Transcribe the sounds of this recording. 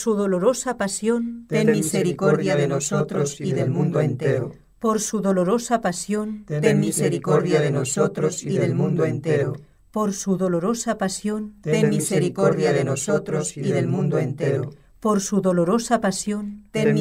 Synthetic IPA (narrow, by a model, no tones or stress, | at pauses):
suðo̞lo̞ɾosapasjo̞nt̪emmiseɾikoɾðjaðenosot̪ɾsiðelmũnd̪oent̪eɾ | po̞ɾsuðo̞lo̞ɾo̞sapasjont̪emmːiseɾikoɾðjaðenosot̪osiððe̞lmũnd̪oent̪eɾo̰ | po̞ɾsuðo̞lo̞ɾo̞sapasjont̪emmːise̞ɾikoɾðjaðenosot̪ɾosiðelmũnd̪oent̪eɾo | po̞ɾsuðoloɾosapasjont̪e